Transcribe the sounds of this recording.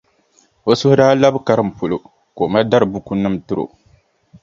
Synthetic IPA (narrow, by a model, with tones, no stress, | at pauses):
o˦sʊ˦hʊ˦daː˦la˦bɨ˦ka˦ɾɨ˦˨m̩˨po˨lo˨ | ko˨ma˦da˦ɾɨ˨bu˦ku˦nɨ˦m˨tɨ˦ɾo̰˨